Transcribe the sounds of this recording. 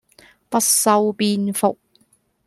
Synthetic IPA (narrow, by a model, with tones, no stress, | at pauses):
pɐ˥t̚sɐ˧wpiː˧nfʊ˨k̚